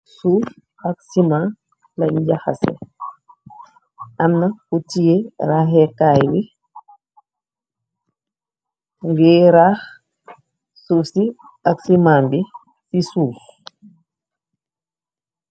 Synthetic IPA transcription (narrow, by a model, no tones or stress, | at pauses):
suf | ak̚simaːn | laɲd͡ʒaha̰sɛ̰ | ʔamnakutijeɾaːɦɛkajbi | ŋɡɛːɾah | sufsi | aksimaːmbi | sisuːf